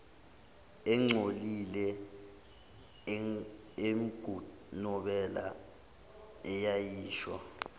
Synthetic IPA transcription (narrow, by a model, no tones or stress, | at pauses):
ɛŋ͡ǀʱolilɛ | em̩ɡ̥ʱu | nɔɓɛla̰ | ɛjajiːʃwa̰